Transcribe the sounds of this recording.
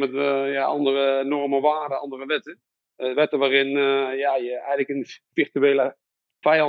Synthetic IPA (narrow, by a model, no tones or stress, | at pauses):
mɛtjaɑ̰ndərənɔrməʋaːdəɑ̰ndərəʋɛtə | ʋɛtəʋaːrɪnjajəɛjɣləkənfɪrtyeːlə | fɛjɑ